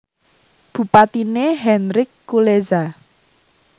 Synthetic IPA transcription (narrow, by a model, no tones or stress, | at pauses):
b̥ṳpat̪ineɦɛnɾɪkːuleza